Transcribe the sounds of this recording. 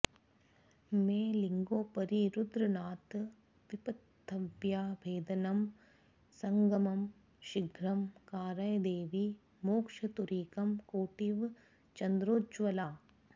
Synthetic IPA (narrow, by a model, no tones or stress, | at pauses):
mẽːliŋɡoːpɐɾiɾud̪ɾɐnaːt̪ | ʋipɐt̪ʰːɐʋjaːbʱeːd̪ɐnɐm | sɐŋɡɐmɐm | ʃiɡʱɾɐmkaːɾɐjd̪eːʋi | moːkʂɐt̪uɾiːkɐmkoːʈiʋ | t͡ʃɐnd̪ɾoːd͡ʒʋɐlaː